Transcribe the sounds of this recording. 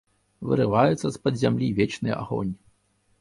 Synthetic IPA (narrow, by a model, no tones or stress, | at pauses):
vɨ̰ɾɨvajut̪sːɐspɐd̪zʲamlʲivʲɛt͡ʃnɨjɐ̰ʔa̰ɣɔ̰nʲi